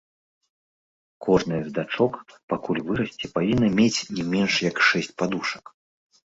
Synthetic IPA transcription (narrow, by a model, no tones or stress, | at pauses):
kʰɔʐnɨjɐzd̪at͡ʂɔkpakulʲvɨɾɐsʲt͡sʲɛpavʲinːɐmʲet͡sʲnʲɛmʲɛnʂjɐkʂɛsʲt͡sʲpad̪uʂɐ̥k